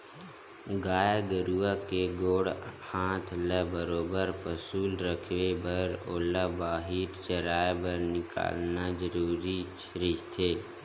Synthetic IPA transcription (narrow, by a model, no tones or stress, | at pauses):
ɡaːjaɡəɾuːakeɡoːɽhãːt̪ʰləbəɾoːbəɾpəsuːlɾəkʰʋebəɾoːlabaːɦiːɾt͡ʃəɾaːjbəɾnɪka̰ːlnazəɾuːɾit͡ʃəɾit̪ʰeː